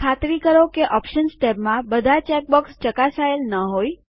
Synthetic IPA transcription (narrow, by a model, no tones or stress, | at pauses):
kʰat̪ɾikəɾokeʔɔpʃənsʈɛpmãbəd̪ʱat͡ʃɛk̚bɔkst͡ʃəkasaelnəɦoj